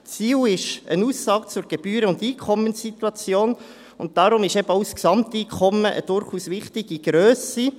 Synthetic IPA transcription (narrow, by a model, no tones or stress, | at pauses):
t͡siːwɪʃənuːsːɑːkt͡sʊɾɡ̥eb̥yːɾəʊndiːkʰɔmːənsit̪uɑt͡sjoːn | ʊnt̚d̥ɑɾʊmɪʃɛbəawsksɑmtiːkʰɔməʔə̰d̥ʊɾχuːsʋɪχtɪɡ̥iɡ̥ɾøːsi